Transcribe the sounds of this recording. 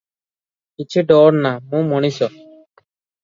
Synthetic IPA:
kit͡ʃʰuɖɔɾnamũmɔɽ̃isɔ

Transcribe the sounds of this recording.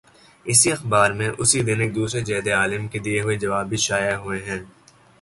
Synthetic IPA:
ɪsiɐxbaːɾmẽʔʊsid̪ɪnɪk̚d̪uːsɾed͡ʒɛːd̪eaːlɪmked̪ieɦʊed͡ʒɐʋaːbʱiʃaːjaɦʊeɦɛ̃ː

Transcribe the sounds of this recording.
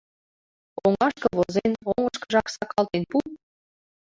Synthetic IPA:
oŋɑʃkɤβozenoŋəʃkɤ̥ʒɑksɑkɑlt̪enpu

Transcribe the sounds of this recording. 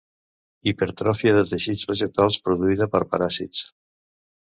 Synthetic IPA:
ipəɾt̪ɾɔfiəðət̪əʃizβəʒət̪alˠspɾuðuiðəpəɾpaɾasḭt͡s

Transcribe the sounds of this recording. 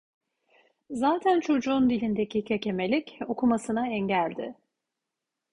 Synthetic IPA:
zaːt̪ʰænt͡ʃʰo̞d͡ʒuːnd̪ilʲind̪ecicʰecʰe̞melʲico̞kʰumasɯnaɛɲɟælʲd̪ɪ

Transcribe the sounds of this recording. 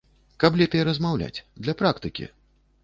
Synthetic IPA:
kɐplʲɛpʲɐjɛɾɐzmawlʲa̰t͡sʲd̪lʲɐpɾakt̪ɨkʲḭ

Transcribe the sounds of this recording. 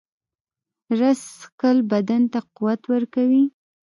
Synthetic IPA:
ɾaskəlbad̪ant̪aquwat̪wəɾkawi

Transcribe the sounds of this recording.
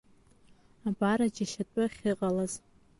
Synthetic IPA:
abaɾad͡ʒaʃatʷʼʊχʲɨqʼalaz

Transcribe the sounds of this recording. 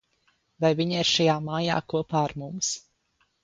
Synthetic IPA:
vajviɲaiɾʃajaːmaːja̰ːkuɔpaːaɾmums

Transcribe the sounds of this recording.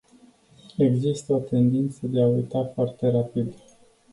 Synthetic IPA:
e̞ɡzist̪əo̞t̪e̞nd̪int̪səd̪e̞aujt̪afoart̪e̞ɾapid̪

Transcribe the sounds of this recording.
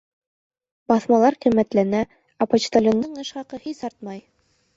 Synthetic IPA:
bɑθmɑlˠɑɾqimːæt̪lænæ | ɑpot͡ɕt̪alʲond̪ɤɴɤ̆ʃχɑqɤhisɑɾt̪̚mɑj

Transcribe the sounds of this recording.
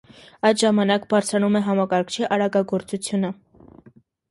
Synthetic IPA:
ɑjd̪ʒɑmɑnɑkbɑɾt͡sʰɾɑnumɛɦɑmɑkɑɾkʰt͡ʃʰiʔɑɾɑɡɑɡɔɾt͡sut͡sʰjunə

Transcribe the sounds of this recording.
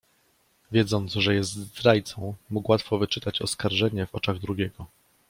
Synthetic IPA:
vʲjɛd̪zɔnt̪zʐɛjɛst̪zɾajt̪sɔ̃w̃mukwat̪fɔvɘt͡ʂɘt̪at͡ɕɔ̰skaɾʐɛɲɛvɔt͡ʂaɣd̪ɾuɡʲɛɡɔ

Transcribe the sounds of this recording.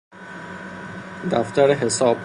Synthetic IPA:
d̪æft̪æɾeɦe̞sɒːb̥

